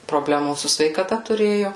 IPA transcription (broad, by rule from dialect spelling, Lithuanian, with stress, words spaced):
proːˈbʲlʲæːmuː sʊ sʲʋʲɛɪkɐˈtɐ tʊˈrʲeːjʊ